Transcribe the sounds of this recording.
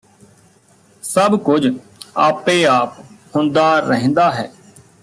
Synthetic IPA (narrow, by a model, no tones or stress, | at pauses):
səbkʊd͡ʒ | aːpẽːaːp̚hʊnd̪aːɾəɦə̃nd̪aːɦɛː